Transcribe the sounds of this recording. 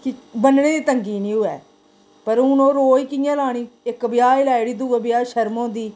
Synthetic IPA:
kɪbənɳeːd̪iːt̪əŋɡiːnĩːɦʊɛ̰ː | pəɾʊnõːɾoːiːkɪjãːlaːɽ̃iːɪkbɪjaːɪlaːɪɽiːd̪ʊʋəbɪjaːʃəɾmõːd̪iː

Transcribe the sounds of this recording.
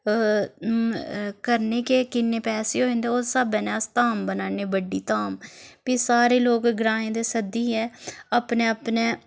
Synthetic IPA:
kəɾneːkeːkɪnːeːpɛːseːoːɦɪ̃nd̪eːoːsəbɛːnaːst̪aːmbənaːneːbəɖːiːt̪aːmpiːsaːɾeːloːkɡɾãːẽːd̪eːsəd̪iːɦɛːəpneːəpneː

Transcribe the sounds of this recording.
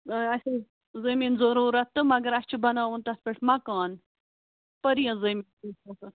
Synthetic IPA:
ɐsɐ | zɐmiːnzɐɾuːɾɐt̪ːɨmɐɡɐɾɐst͡ʃʰubɐnaːʋunt̪ɐspeʈʰmɐkaːn | pɐɾijɐ̃zɐmiːntusɐ̃sɨ

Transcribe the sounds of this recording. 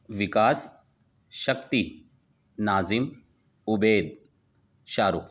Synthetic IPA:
ʋɪkaːs | ʃɐk̚t̪i | naːzim | ʊbeːd̪̚ | ʃaːɾu

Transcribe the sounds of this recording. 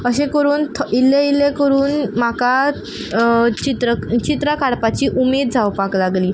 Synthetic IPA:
əɕẽkəɾuːnt̪ʰilːeilekəɾuːnm̤aka | t͡ɕit̪ɾət͡ɕit̪ɾakaɽpat͡ɕiːʔumed̪̚d͡zʱaʋpaklaɡliː

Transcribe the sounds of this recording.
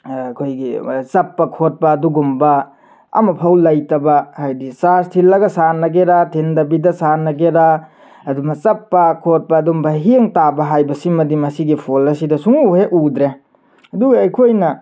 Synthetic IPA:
kʰojɡḭsɐpːɐkʰot̚pɐːduɡumbɐ | ɐ̰mɐpʰɐwlɐjtɐbɐhajdisastʰilːɐɡɐsanɐɡeɾatʰindɐbidɐsanɐɡeɾa | ɐdumɐsɐpːɐkʰot̚pɐːdumbɐɦeŋtabɐɦajbɐsimɐdimɐsiɡipʰolɐsidɐsuŋuheʔud̪ɾe | ɐduɡɐːjkʰojnɐ

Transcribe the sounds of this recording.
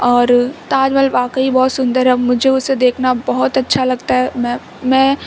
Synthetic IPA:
ɔːɾt̪aːd͡ʒmɛt̪ləbaːkaibɔɦt̪sʊ̃nd̪əɾɦɛmʊd͡ʒʱeʊsːed̪eːkʰnabɔɦʊt̪ɐtːʃʰalɐɡt̪aɦɛmɛ̃ | mɛ̃ː

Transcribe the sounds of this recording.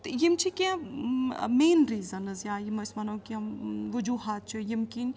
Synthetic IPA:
t̪jimt͡ʃʰikẽ | meːnɾiːzɐnɨzjãːjimɐsmɐnɐ̃kiɐmʋɨd͡ʒuɦaːt̪̚t͡ʃʰijimkin

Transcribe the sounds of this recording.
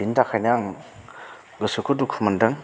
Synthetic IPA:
intakʰajnaŋ | ɡɯsukʰudukʰumandɯŋ

